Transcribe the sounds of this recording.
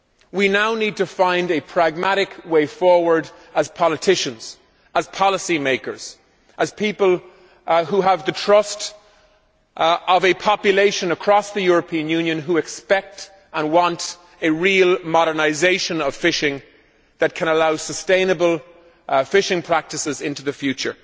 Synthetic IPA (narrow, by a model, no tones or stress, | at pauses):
winaʊnid̚təfãɪ̃ndɨpʰɹ̥æɡ̚mæɾɪkweɪfɔɹwə˞ɾ | əz̥pʰɑlətʰɪʃə̃nz̥ | əz̥pʰɑləsimeɪkə̰˞z̥ | ʔəz̥pʰipəlˠ | huəvðɨtʰɹ̥ʌst | ʌvɨpʰɑpjɨleɪʃə̃nəkʰɹ̥ɔsðɨjʊɹəpʰĩə̃njʉ̃njɨ̃nɦuɨkspɛk̚t | ə̃nwɑ̃nt | ɨɹilˠmɑɾə˞naɪzeɪʃə̃nʌv̥fɪʃɪ̃ŋ | ðɨt̚kʰə̃ñəlaʊsəstẽɪ̃nəbəlˠ | fɪʃɪ̃ŋpʰɹ̥æk̚tɨsɪzɪ̃ntʉðɨfjʉt͡ʃə̰˞